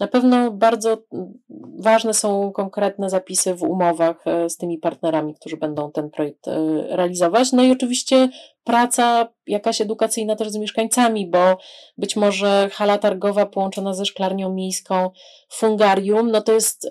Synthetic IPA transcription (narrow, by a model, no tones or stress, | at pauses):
napɛvnɔbaɾd̪zɔ | vaʐnɛsɔ̃w̃kɔŋkɾɛt̪nɛzapʲisɘvṵmɔvaxst̪ɘmʲipaɾt̪nɛɾamʲik̚t̪uʐɘbɛnd̪ɔ̃w̃t̪ɛnpɾɔjɛk̚t̪ɾɛalʲizɔvat͡ɕnɔiɔt͡ʂɘvʲiɕt͡ɕɛpɾat̪sa | jakaɕɛd̪ukat̪sɘjnat̪ɛʐzmʲjɛʂkaɲt̪samʲibɔbɘt͡ɕmɔʐɛxalat̪aɾɡɔvapɔwɔnt͡ʂɔnazɛʂklaɾɲɔ̃w̃mʲejskɔ̃w̃ | fuŋɡaɾʲjumnɔt̪ɔjɛst̪